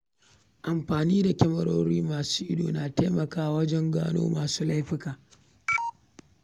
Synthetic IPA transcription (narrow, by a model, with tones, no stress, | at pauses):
ʔa˨mɸaː˨niː˦da˨kʲɛ˦mɐ˨ɾoː˦ɾiː˦maː˨suː˦ʔɪ˦dṵː˨naː˨teː˦mɐ˨kaː˦˨wɐ˦d͡ʒɛ˦ŋɡa̰ː˦no̰ː˦maː˨suː˦la˦jɸɪ˦kaː˨